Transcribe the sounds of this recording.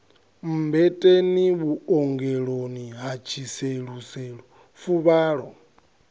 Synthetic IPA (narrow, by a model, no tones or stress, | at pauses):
m̩bɛtʼeniβuɔŋɡɛɺoniɦat͡ʃʰiseɺusɛɺu | fuβaːɺɔ